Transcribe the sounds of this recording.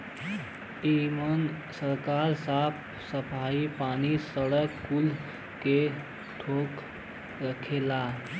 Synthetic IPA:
imən | səɾkaːɾsapʰ | səpʰaːipaːnisəɽəkːul | ke | ʈ̪ʰoːk | ɾəkʰeːla

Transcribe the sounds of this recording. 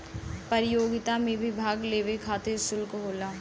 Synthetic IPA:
pɐɾɪjoːɡɪt̪amẽbʱibʱaːɡleːʋekʰaːt̪eɾsʊlkɦoːlaː

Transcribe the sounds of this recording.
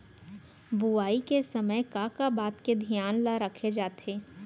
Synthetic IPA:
buaːikesɐməjkaːkabaːt̪ked̪ʱjaːnlaɾəkʰed͡ʒaːt̪eː

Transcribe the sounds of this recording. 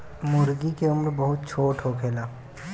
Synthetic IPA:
mʊɾɡikeʊmɾbɐɦʊt̪̚t͡ʃʰoːʈʰɦokʰeːlaː

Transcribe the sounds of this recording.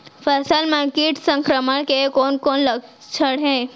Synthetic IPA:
fəsalmãkiʈsə̃ŋkɾəməɳ̃kekonkonlək | t͡ʃʰəɽɦẽ

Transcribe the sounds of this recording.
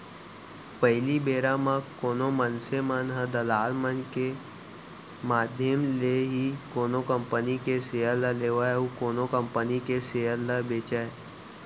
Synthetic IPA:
pəɦɪlibeːɾãmãkoːnomənsemənɦəd̪əlaːlmənke | maːd̪ʱjəmleɦikoːnokə̃mpənikeseːələleːʋaukoːnokəmpənikeseːələbeːt͡ʃae

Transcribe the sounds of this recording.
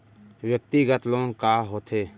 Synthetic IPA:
wjək̚t̪iɡət̪lõːŋkaːɦoːt̪ʰeː

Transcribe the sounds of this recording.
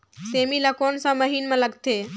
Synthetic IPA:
seːmiləkoːnsãməɦiːnmẽləɡt̪eː

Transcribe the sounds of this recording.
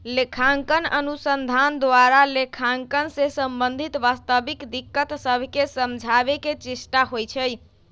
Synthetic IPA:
lekʰaŋkənə̰nusənd̪ʱand̪waɾalekʰaŋkənsesəmbənd̪ʱit̪ʋast̪əbikd̪ikːət̪səbʱkesəmd͡ʒʱaβeket͡ʃisʈaɦojt͡ʃʰəj

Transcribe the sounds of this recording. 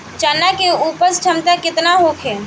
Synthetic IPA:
t͡ʃanːakeuːpəst͡ʃʰəmt̪akɪt̪naɦokʰe

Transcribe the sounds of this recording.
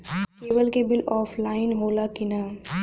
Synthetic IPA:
keːʋəlkebɪlɔːpʰlaːɪnɦoːlakɪnaː

